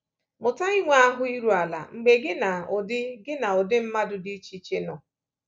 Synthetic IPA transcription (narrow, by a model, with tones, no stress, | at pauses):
mʊ˨ta˦i˦ŋʷe˦a˦ɦʊ˦i˦ɾu˨a˨la̰˨ŋ͡m̩˨ɡ͡be˨ɡɪ˦na˨ʊ˨dɪ˦ɡɪ˦na˨ɔ˨dɪ˦m̩˦ma˦dʊ˨di˦t͡ʃi˦t͡ʃe˦nɔ˨